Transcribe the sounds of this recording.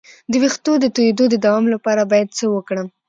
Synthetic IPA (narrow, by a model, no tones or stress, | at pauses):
d̪əwext̪od̪ət̪ujed̪od̪əd̪awɑmlapɑɾabɑjad̪̚t͡səwəkɽəm